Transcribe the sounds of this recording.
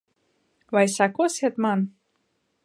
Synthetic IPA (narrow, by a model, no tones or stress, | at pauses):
βɑjsakoset̪mɑn